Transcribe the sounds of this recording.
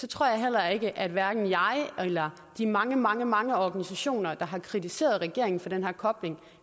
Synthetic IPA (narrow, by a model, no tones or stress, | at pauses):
sɒ̽t͡sʰʁo̰ɐ̰jɑ̈ɪɦel̰ɐe̝ɡ̥əʔæd̥ʋæɐɡ̥n̩jɑ̈ɪelɐ | d̥imɑ̈ŋəmɑ̈ŋəmɑ̈ŋəɒɡ̥ænisæɕo̝̰ːnɐd̥ɑ̈ɦɑ̈kʰʁit͡sʰise̝̰ːɐð̞̩ˠʁɛɡ̥e̝̰ɐeŋn̩fɒ̽d̥enɦæɐ̰kʰɒ̽b̥le̝ŋ